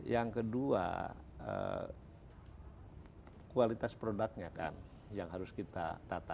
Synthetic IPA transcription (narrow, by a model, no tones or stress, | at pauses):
jaŋkədua̰ə̰ | kualit̪aspɾodak̚ɲaka̰n | jaŋɦaɾʊskit̪a̰t̪at̪a